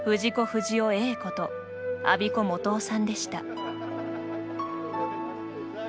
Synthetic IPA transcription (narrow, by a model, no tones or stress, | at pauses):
ɸɯ̟ʑiko̞ɸɯ̟ʑio̞e̞ːko̞t̪o̞ | a̰bʲiko̞mo̞t̪o̞ːsãnd̪e̞ɕi̥t̪a̰